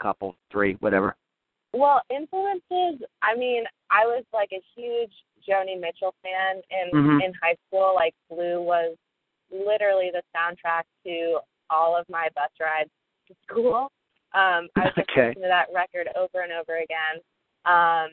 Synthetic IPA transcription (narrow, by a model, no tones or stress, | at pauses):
kʰʌpl̩ˠθɹiwʌ̰ɾɛ̰və̰˞ | wɛlˠɪ̃ɱfluɨ̃nsɪzʔaɪmĩnʔaɪwʌzlaɪkɨhjʉd͡ʒ | d͡ʒõʊnimɪt͡ʃl̩ˠfæ̃nɪ̃nm̩ɪ̃nɦaɪskulˠlaɪk̚b̥lʉwʌz | lɪɾə˞l̩ˠiðɨsãʊ̃ntʰɹ̥æk̚tʰɨ | ɔlˠʌvmaɪbʌstɹaɪdz̥ | tʰɨskulˠ | ʔʌ̃maɪokʰeɪɨðəʔ̚ɹɛkə˞ɾo̰ʊvə˞ɨ̃noʊvə˞ɨɡɛ̃n | ʔʌ̃m